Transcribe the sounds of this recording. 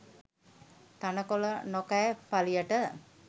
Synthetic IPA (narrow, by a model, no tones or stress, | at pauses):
t̪anəkolənokajpalijəʈə